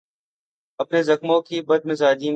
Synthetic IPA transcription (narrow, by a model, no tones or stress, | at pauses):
əpneːzəxmõːkiːbəd̪̚mẽzaːd̪iːm